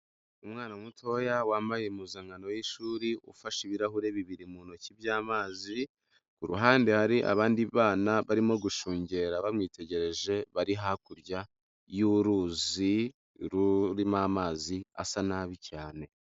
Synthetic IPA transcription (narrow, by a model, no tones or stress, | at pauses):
umŋaːnamutʰo̞jawaːmbajemuzaːŋɡano̞jiʃuːɾiʔṵfaʃiβiɾaɦuɾe̞βiβiɾimuːnocibjaːmaːzi | kuɾuɦaːndehaɾiʔa̰βaːndiβaːnaβaɾimo̞ɡuʃuːɲɟe̞ːɾaβamŋiːte̞ɟe̞ɾe̞ʒe̞βaɾiɦakuɾɟa | juɾuːzi | ɾuɾimamaːzia̰sanaβicaːne̞